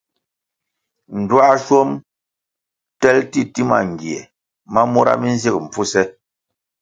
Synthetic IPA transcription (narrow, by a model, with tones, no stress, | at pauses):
n̩˨dwa˦ʃɔ˦m | tɛ˦lti˦ti˦ma̰˨ŋ˨ɡje˨ | ma˦mu˦ɾa̰˦mi˦n̩˦zi˦k̚m̩˨p͡fu˦sɛ˦